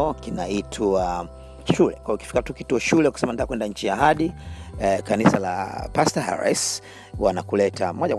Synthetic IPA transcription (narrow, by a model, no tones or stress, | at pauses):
ɔkinaitʰa | ʃulɛkwajukifikatukituɔʃulɛukisɛmantakwɛndaɲ̩t͡ʃijaɦaɗi | kanisala̰pastaha̰ɾa̰s | wanakulɛta̰mwɔʄa